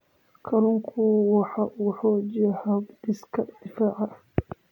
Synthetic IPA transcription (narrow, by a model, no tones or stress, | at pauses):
kʰɐlʊŋkʰʊwɑħɑħɔːd͡ʒɐhabd̪ɪskʰɐd̪̥ɪfaːʕɑ